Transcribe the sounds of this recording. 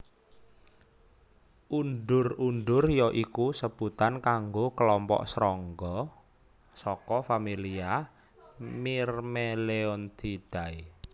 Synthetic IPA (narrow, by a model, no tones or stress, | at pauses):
unɖʊrunɖ̪ʊrjɔʔikusəb̥ut̪ankaŋɡokəlɔmpɔ̰ʔsɾɔŋɡɔ | sɔkɔfamilia | mirmeleɔnt̪ʰid̪̥ai